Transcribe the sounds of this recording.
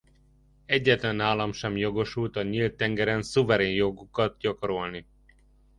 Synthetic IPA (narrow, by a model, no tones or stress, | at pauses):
ɛɟːɛt̪lɛnaːlɒmʃɛmjo̞ɡo̞ʃult̪ɒɲiːlt̪ːɛŋɡɛɾɛnsuvɛɾeːnjoɡukɒt̪̚ɟɒko̞ɾo̞lni